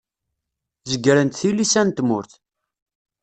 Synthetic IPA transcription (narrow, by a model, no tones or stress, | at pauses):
zəɡɾənt̪θilisænt̪mʊɾθ